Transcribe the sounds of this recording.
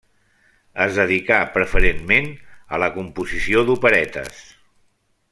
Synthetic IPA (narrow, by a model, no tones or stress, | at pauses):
əzðəðikapɾəfəɾenmenə̰ləkumpuzisioðupəɾɛt̪ə̰s